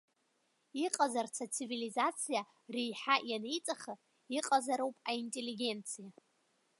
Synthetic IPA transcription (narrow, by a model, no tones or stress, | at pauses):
iqʼazart͡sʰat͡sʰivilizat͡sʰija | rejħajanejt͡sʼaχa | iqʼazaɾowpʼaintʼe̞liɡʲe̞nt͡sʰija